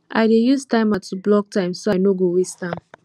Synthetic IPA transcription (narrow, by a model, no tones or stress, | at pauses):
ʔa̰ɪdejuztãɪ̃matʰublɔk̚tãɪ̃msoajnoɡowistãm